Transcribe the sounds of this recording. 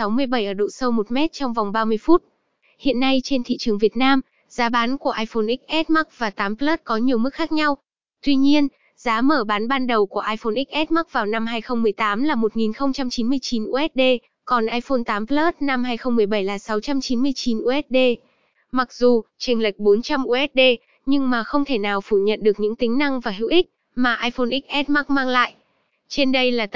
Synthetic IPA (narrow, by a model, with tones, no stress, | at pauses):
sa˨˦wmɨ˧əjɓə˧˩jʔəː˧˩ɗo̰˧˨sə˧wmo˨˩t̚mɛ˦˥t̚t͡ɕɔ˧wŋ͡mva˨˩wŋ͡mɓaː˧mɨ˧əjfu˦˥t̚ | hḭ˧˨ənːa˧jt͡ɕe˧nt̪ʰḭ˧˨t͡ɕɨ˨˩əŋvi˨˩ət̚naː˧m | zaː˨˦ɓaː˨˦nku˧˩əʔaː˧jfo˧nʔï˦˥k̚ʔɛ˦˥t̚ma˦˥k̚vaː˨˩t̪aː˨˦mplə˦˥t̚kɔ˨˦ɲi˨˩əwmɨ˦˥k̚xaː˦˥k̚ɲa˧w | t̪wi˧ɲi˧ən | zaː˨˦məː˧˩ɓaː˨˦nɓaː˧nɗə˨˩wku˧˩əʔaː˧jfo˧nʔi˦˥k̚ʔɛ˦˥t̚ma˦˥k̚vaː˨˩wna˧mhaː˧jxə˧wŋ͡mmɨ˨˩əjt̪aː˨˦mlaː˨˩mo˨˩t̚ŋi˨˩nxə˧wŋ͡mt͡ɕa˧mt͡ɕi˨˦nmɨ˧əjt͡ɕi˨˦nʔu˧˩ʔɛ˦˥t̚ɗe˧ | kɔ˨˩nʔaː˧jfo˧nt̪aː˨˦mpləː˦˥t̚na˧mhaː˧jxə˧wŋ͡mmɨ˨˩əjɓə˧˩jlaː˨˩sa˨˦wt͡ɕa˧mt͡ɕi˨˦nmɨ˧əjt͡ɕi˨˦nʔu˧ʔɛ˦˥t̚ɗe˧ | ma˨˩k̚zu˨˩t͡ɕi˨˩ŋ̟lə˨˩jk̟̚ɓo˨˦nt͡ɕa˧mʔu˧ʔɛ˦˥t̚ɗe˧ | ɲɨ˧ŋmaː˨˩xə˧wŋ͡mt̪ʰe˧˩naː˨˩wfu˧˩ɲə̰˧˨nɗɨ˨˩ək̚ɲɨ̰˧˥ŋt̪ï˨˦ŋ̟na˧ŋvaː˨˩ɦḭ˧˨wʔï˦˥k̟̚ | maː˨˩ʔaː˧jfo˧nʔi˦˥k̚ʔɛ˦˥t̚ma˦˥k̚maː˧ŋla̰ː˧˨jʔ | t͡ɕe˧nɗə˧jlaː˨˩t̪